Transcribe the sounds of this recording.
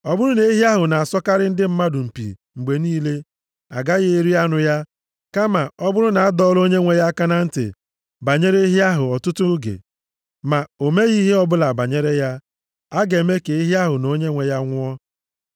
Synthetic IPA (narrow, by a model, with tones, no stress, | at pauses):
ɔ˦bʊ˦ɾʊ˦ne˨˦i˦ɦi˦a˦ɦʊ˨na˨a˨sɔ˦ka˦ɾɪ˦n̩˦dɪ˦m̩˦ma˦dʊ˨m̩˨pḭ˨ | ŋ͡m̩˨ɡ͡be˨niː˦le˦ | a̰˨ɡa˦ɣe˦e˦ɾi˦a˦nʊ˨ja˦ | ka˦ma˨ɔ˦bʊ˦ɾʊ˦na˨a˦dɔ˦lo˦ɲe˦ŋʷe˨ja˦ka˦na˦n̩˦tɪ̰˨ | ba˨ɲe˦ɾe˦i˦ɦi˦a˦ɦʊ˨ɔ˨tʊ˦tʊ˦ɡḛ˨ | ma˨o˨me˦ɣi˦ɦi˦ɔ˦bʊ˦la˨ba˨ɲe˦ɾe˦ja˦ | a˦ɡe˨me˦ke˨i˦ɦi˦a˦ɦʊ˨no˦ɲe˦ŋʷe˨ja˦ŋʷʊ˦ɔ˦